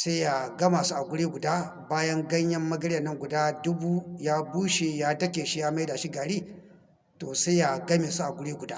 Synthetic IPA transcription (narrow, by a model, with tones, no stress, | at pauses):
sa˦jja˨ɡɐ˦maː˨su˦ʔa˨ɡʷʊ˦ɽiː˦ɡʷʊ˨daː˦ | baː˦jɐ˦ŋɡɐ˦ɲjɐ˦mːɐ˦ɡɐ˦ɽjɐ˨nːɐ˦ŋɡʷʊ˨daː˦dʊ˦buː˦jaː˦buː˦ʃe˨jaː˦dɐ˦kʲeː˨ʃi˦jaː˦ma˦jda˨ʃi˦ɡaː˨ɽiː˦ | toː˨sa˦jja˨ɡɐ˦meː˨su˦ʔa˨ɡʷʊ˦ɽiː˦ɡʷʊ˨daː˦